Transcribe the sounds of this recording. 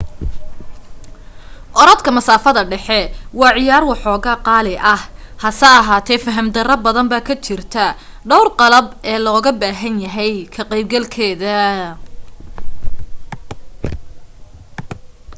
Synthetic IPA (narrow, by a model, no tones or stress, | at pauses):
ʔɔɾɐd̪kʰɐmɐsaːfɐðɐɖɛħɛwɑːʕɪjaːrwɑħɔːɣɐqɑːlɪʔɐh | hɐsaːɐɦaːt̪ʰɛjfɐɦɐmd̪ɐrɐbɐðɐmbɐkʰɐt͡ʃʰɪrt̪ʰɐ | ɖɔwrqɑlɐbɛːlɔːɣɐbaːɦɐnjɐɦɛjkʰɐqejb̚ɡɐlkʰɛːðɐ